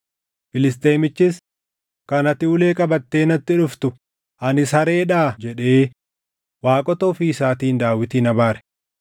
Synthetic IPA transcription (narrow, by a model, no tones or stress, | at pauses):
fɪlɪst̪ʼeːjmɪt͡ʃːɪs | kɐnɐt̪ɪʊle̞ːkʼɐbɐt̪ːe̞ːnɐt̪ːɪᶑʊft̪ʊ | ʔɐnɪshɐɾe̞ːᶑaːd͡ʒɛᶑe̞ː | waːkʼɔt̪oːfiːɪsaːt̪iːnd̪aːwɪt̪iːnɐbaːɾɛ̥